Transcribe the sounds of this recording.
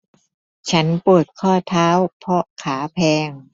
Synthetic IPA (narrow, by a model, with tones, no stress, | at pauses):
t͡ɕʰa˦˥npu˨˩ət̪̚kʰɔː˥˩t̪ʰaː˦˥wpʰɔ˧˥kʰaː˩˦pʰɛː˧ŋ